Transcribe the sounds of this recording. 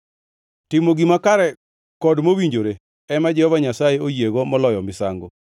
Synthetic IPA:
tɪmoɡimakaɾɛ | kɔdmowiɲd͡ʒoɾe | ɛmad͡ʒɛhɔvaɲasajeojeɡomɔlɔjɔmɪsaŋɡo

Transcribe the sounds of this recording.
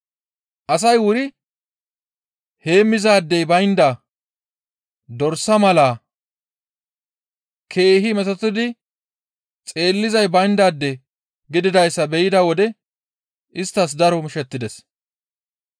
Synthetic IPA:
ʔɐs̬ɐjwʊɾɪ | he̞ːmːɪzaːd̪ːɛjbɐjnd̪a | d̪ɔɾsːɐmɐlaː | kʰe̞ːɦɪmɛt̪ɔt̪ːɪd̪ɪ | t͡sʼe̞ːlːɪzɐjbɐjnd̪aːd̪ːɛ | ɡɪd̪ɪd̪ɐjsːɐbɛjɪd̪ɐwɔd̪ɛ | ʔɪst̪ːɐs̬d̪ɐɾɔmʊʃɛt̪ːɪd̪ɛs

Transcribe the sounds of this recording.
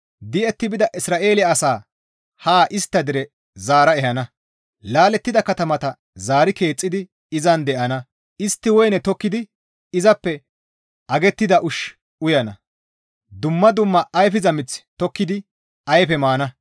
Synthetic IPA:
d̪ɪɛt̪ːɪbɪd̪ɐʔɪsɾaːʔe̞ːlɪɐːsaː | haːʔɪst̪ːɐd̪ɪɾɛ | zaːɾɐɛhɐnɐ | laːlɛt̪ːɪd̪ɐkɐt̪ɐmɐt̪ɐ | zaːɾɪke̞ːt͡sʼːɪd̪ɪ | ɪzɐnd̪ɛʔɐnɐ | ɪst̪ːɪwɔjnɛt̪ɔkːɪd̪ɪ | ɪzɐpːɛ | ɐɡɛt̪ːɪd̪ɐʔʊʃ | ʊjɐnɐ̰ | d̪ʊmːɐd̪ʊmːɐʔːjfɪzɐmɪt͡sːt̪ɔkːɪd̪ɪ | ɐjfɛmaːnɐ

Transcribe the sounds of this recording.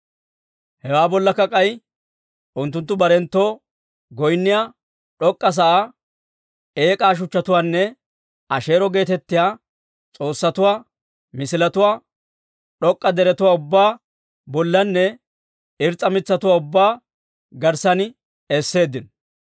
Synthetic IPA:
hɛwaːbɔlːɐkːɐkʼɐj | ʔʊnt̪ːʊnt̪ːʊbɐɾɛnt̪ːo̞ː | ɡɔjnːɪjaː | ᶑɔkʼːɐs̬ɐʔa | e̞ːkʼaːʃ̬ʊt͡ʃːɐt̪ʊwaːnːɛ | ʔɐʃe̞ːɾɔɡe̞ːt̪ɛt̪ːɪjaː | t͡sʼo̞ːsːɐt̪ʊwaː | mɪsɪlɐt̪ʊwaː | ɗɔkʼːɐd̪ɛɾɛt̪ʊwaːʊbːaː | bɔlːɐnːɛ | ɪɾt͡sʼːɐmɪt͡sːɐt̪ʊwaːʊbːaː | ɡɐɾsɐnɪ | ɛsːe̞ːd̪ːɪn

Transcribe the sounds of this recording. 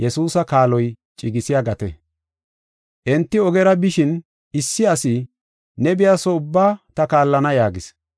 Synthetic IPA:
jɛsuːsɐkaːlɔj | t͡ʃʼɪɡɪsɪjaɡɐt̪ɛ̰ | ʔɛnt̪ːɪɔɡɛɾɐbɪʃɪn | ɪsːɪɐsɪ | nɛbɪjaːsɔʊbːaːt̪ɐkaːlːɐnɐjaːɡɪs

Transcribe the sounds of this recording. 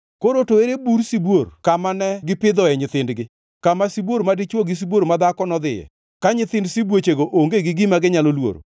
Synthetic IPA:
koɾotoeɾebuɾsibworkamanɛɡɪpɪd̪ɔɛɲɪt̪ɪndɡɪ | kamasibwoɾmadɪt͡ʃwoɡɪs̬iboɾmad̪akɔnɔd̪ɪjɛ̰ | kaɲɪt̪ɪndsibwot͡ʃeɡoʔoŋɡeɡɪɡɪmaɡɪɲalolwo̰ɾo̰

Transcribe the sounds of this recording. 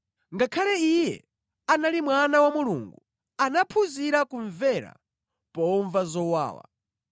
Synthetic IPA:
ŋɡakʰalɛijɛ̰ | analimwanawamuluŋɡu | anapʰuziɾakuɱvɛɾa̰ | pɔɱvazɔwa̰ːwa̰

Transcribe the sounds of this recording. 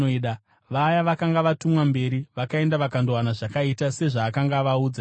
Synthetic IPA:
ɗa | ʋajaʋakaŋɡaʋatumwambe̞ɾiʋakae̞ndaʋakandowanaʐakaitase̞ʐaːkaŋɡaʋauːd͡za

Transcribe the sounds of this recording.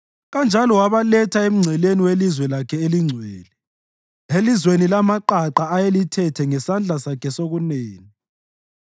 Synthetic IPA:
ɣand͡ʒʱalɔwaβalɛtʰaem̩ŋ͡ǀʱɛleniwelizwɛlakʰɛeliŋ͡ǀʱwɛ̰ːlɛ | elizwenilamaǃaǃaːjelitʰɛtʰɛŋɛsand͡ɮʱasakʰɛsoɣuneːni

